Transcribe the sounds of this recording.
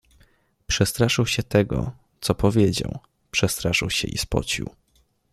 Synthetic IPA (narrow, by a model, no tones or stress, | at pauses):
pʂɛst̪ɾaʂɘwɕɛt̪ɛɡɔ̰ | t̪sɔpɔvʲjed͡ʑa̰w | pʂɛst̪ɾaʂɘwɕɛ̰ʔḭspɔ̰t͡ɕḭw